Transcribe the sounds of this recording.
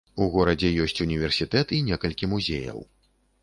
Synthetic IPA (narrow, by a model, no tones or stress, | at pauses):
uɣɔɾɐd͡zʲɛjɔsʲt͡sʲunʲivʲɛrsʲit̪ɛt̪inʲɛkɐlʲkʲimuzʲḛjɐ̰w